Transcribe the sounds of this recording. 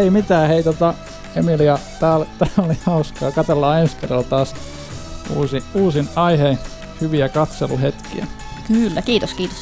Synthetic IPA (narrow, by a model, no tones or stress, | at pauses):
eimit̪æːheit̪ot̪ɑ | emiliɑt̪æːlt̪æːolihɑuskɑːkɑt̪elːɑːenskerːɑlt̪ɑːs | ṵːsiuːsinɑihei | hyʋiækɑt̪sḛlṵhet̪kḭæ̰ | kylːækiːt̪oskiːt̪os